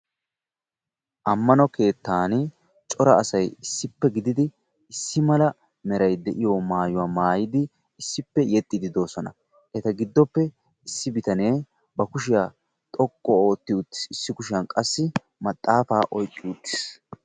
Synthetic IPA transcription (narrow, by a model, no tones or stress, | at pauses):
ʔɐmːɐnɔke̞ːt̪ːaːn | t͡ʃʼɔɾɐːsɐjɪsːɪpːɛɡɪd̪ɪd̪ɪ | ɪsːɪmɐlɐ | mɛɾɐjd̪ɛʔɪjomaːjʊwaːmaːjɪd̪ɪ | ɪsːɪpːɛjɛt̪ʼːɪd̪ɪd̪o̞ːsɔnɐ̰ | ʔɛt̪ɐɡɪd̪ːɔpːɛ | ɪsːɪbɪt̪ɐne̞ː | bɐkʊʃɪja | t̪ʼɔkʼːɔo̞ːt̪ːɪʊt̪ːɪ̥sɪsːɪkʊʃɪjɐnkʼɐsːɪ | mɐt̪ʼːaːfaːʔɔjkʼːɪʊt̪ːɪ̥s